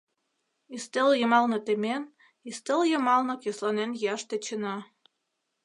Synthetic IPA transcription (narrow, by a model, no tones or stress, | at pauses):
ist̪eljə̆mɑlnɤ̆t̪emen | ist̪eljə̆mɑlnɤ̆keslɑnenjɑʃt̪et͡ɕənɑ